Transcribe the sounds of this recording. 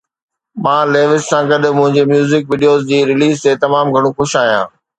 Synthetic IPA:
mãːleːʋɪssãːɡɐɗmʊ̃ɦɪ̃ɲd͡ʑemjuːzɪkʋiːɖijoːzd͡ʑiːɾɪliːzt̪et̪ɐmaːmɡʱɐɽ̃ũxʊʃaːɦijã̰ː

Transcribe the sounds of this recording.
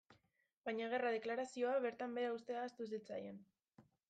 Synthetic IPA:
bajɲaɣ̞e̞rað̞e̞klaɾasio̞aβe̞ɾt̪ambe̞ɾaust̪e̞aːst̪us̬it͡sa̰jen

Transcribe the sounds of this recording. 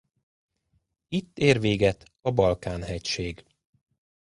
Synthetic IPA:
it̪ːeːrveːɡɛt̪ | ɒbɒlkaːnɦɛcʃeːɡ

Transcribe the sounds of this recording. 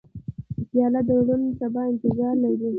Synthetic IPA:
d̪əsjɑlat̪̚d̪əwɽunsabɑɪnt̪ɪzɑɾlaɾi

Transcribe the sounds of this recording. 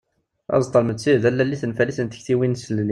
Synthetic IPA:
æ̰zt̪ˤːəlməd̪siðælːælːiθənfælisənt̪ə̥çθiwinsəlni

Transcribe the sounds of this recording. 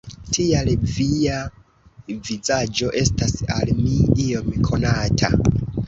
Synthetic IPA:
tʰialvia | vizad͡ʒo̞ʔe̞stasa̰lmiio̞mkʰo̞natʰa̰

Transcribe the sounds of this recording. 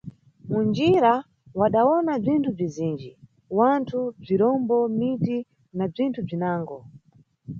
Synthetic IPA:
mund͡ʒiɾa | waɗawɔnab͡ʐintʰub͡ʐiziːnd͡ʒi | wantʰub͡ʐiɾɔmbɔmiti | nab͡ʐintʰub͡ʐinaːŋɡɔ

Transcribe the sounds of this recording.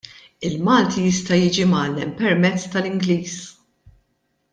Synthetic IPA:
ɪlmɐːlt̪ʰijɪst̪ɐjiːd͡ʒimɐːlːɛmpɛɾmɛt͡sːt̪ɐlɪŋɡliːs

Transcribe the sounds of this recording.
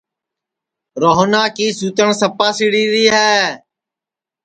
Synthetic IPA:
ɾoːɦnaːkiːsuːt̪əɳsəpaːsiɽiːɾiːɦɛː

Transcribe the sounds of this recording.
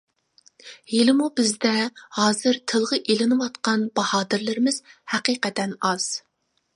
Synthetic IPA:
elɪmubɪzd̪ɛhɑːzɨɾt̪ʰɨlˠʁəʔelɪnɨwɑt̪qɑnbɑhɑːd̪ɪɾlɪɾɪmɪz̥hæqiːqɛt̪ɛnɑz̥

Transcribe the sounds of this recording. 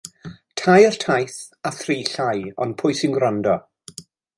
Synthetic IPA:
tʰajər̥tʰajθ | aθriːɬajɔ̰npʰʊjsɪŋɡɾandɔ

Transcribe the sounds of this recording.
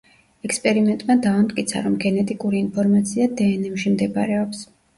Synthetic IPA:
ɛkspʼɛɾimɛnt̪ʼmad̪aumt̪ʼkʼit̪sʰa̰ɾɔmɡɛnɛt̪ʼikʼuɾiːnpʰɔɾmat̪sʰiad̪ɛːnɛmʃimd̪ɛbaɾɛɔps

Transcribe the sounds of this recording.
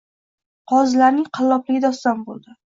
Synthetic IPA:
qʰɒzlaɾnɪŋqʰɑlːɒplɪɡʲɪd̪ɒst̪ambolˠd̪ɪ

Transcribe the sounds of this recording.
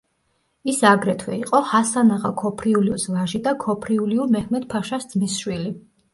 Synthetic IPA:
isaɡɾɛt̪ʰwɛ̰iqʼɔhasanaʁa̰kʰɔpʰɾiuliuslaʒid̪akʰɔpʰɾiuliumɛhʰmɛt̪̚pʰaʃasd̪zmisʃwili

